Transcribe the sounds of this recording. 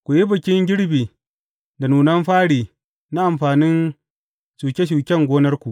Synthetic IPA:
kʷu˨ji˦bɐ˨kʲɪ˦ŋɡʲɪ˦ɽbiː˨ | da˨nuː˨nɐ˦mɸaː˦ɽiː˨ | na˦ʔa˨mɸaː˨nɪ˦n | ʃuː˨kʲe˦ʃ̬uː˨kʲɛ˦˨ŋɡʷoː˦nɐ˦rkʷu˨ʔ

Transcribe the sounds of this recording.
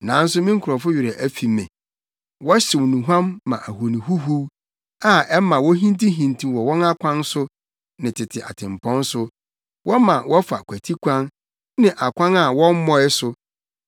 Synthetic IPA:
nã˨˦n̩˦s̬ʊ˦mĩ˦ŋ̩˦kʰʊ˨ɾɔ˨fʊ˦ɥɪ˨ɾɛ˨ʔæ˦fi˨mɛ̰̃˨ | wɔ˦ɕɪ˨wnũ˨ɦã˦mːã̰˨ʔæ˨ɦu˨nĩ˨ɦu˦ɦu˦ | a˨ɛ˦mã˨wɔ˦ɦĩ˦n˦tĩ˦ɦĩ˨ntʰĩ˨wɔ˨wɔ̃˦na˦kʷʰã˦n˦sʊ˦ | nɪ̃˨tʰɪ˨tʰɪ˨ʔa̰˨tʰɪ̃˨m˨pʰɔ̃˦n˦sʊ˦ | wʔɔ˦mã˨wɔ˦fa̰˨kʰʷæ˨tʰi˦kʷʰã˦n | nɪ̃˨ʔa˨kʷʰã˦na˨wɔ̃˦m˦mɔ̃˦ɪ˦sʊ˦

